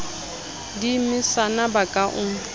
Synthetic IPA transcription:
dimɪsanabakʼaʔʊ

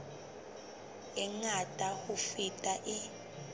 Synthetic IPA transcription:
ɛŋatʼahufitʼaʔɪ

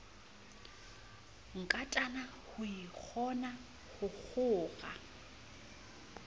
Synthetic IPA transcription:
ŋ̩kʼatʼanahʊik͡xʰɔna | hʊk͡xʰʊːɣa̰

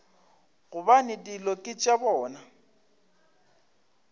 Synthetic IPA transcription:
ɣʊbanɪdilɔkʼɪt͡ʃʼabɔːna

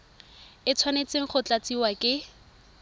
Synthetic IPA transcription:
ɪt͡sʰwanet͡seŋ̩χʊt͡ɬat͡siwakʼɪ

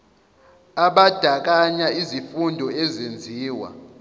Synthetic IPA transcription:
aɓad̥ʱak̬aɲaizifundʱɔɛzend͡zʱiːwa̰

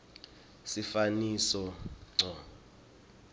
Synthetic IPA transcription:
sifanisɔŋ͡ǀʱɔ

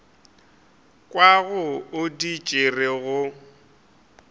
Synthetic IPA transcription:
kʼwaɣʊʊdit͡ʃʼɪrɪɣʊ

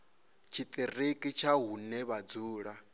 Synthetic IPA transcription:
t͡ʃʰit̪ʼirikʼit͡ʃʰaɦunɛβad͡zuːɺa

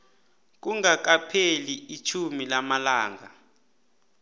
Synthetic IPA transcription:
k̬uŋak̬apʰeliit͡ʃʰumilamalaːŋa

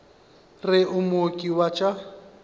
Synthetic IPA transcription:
rɪʔʊmokʼiwat͡ʃʼa

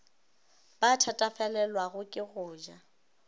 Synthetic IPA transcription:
b̥atʰatʼafɛlɛlwaɣʊkʼɪɣʊːd͡ʒa

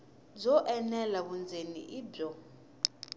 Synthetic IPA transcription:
d͡zɔʔɛnɛlaβund͡zʱenḭʔiːbɔ

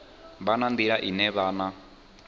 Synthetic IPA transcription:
βanand̪iɺaʔinɛβaːna

